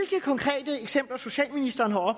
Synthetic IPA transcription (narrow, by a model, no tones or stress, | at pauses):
lɡ̥əkʰɒ̽ŋkʰʁɛ̰ːd̥əeɡ̥sem̰b̥lɐso̝ɕɛ̰ːlminisd̥ɐːnɦɑ̈ɒ̽b̥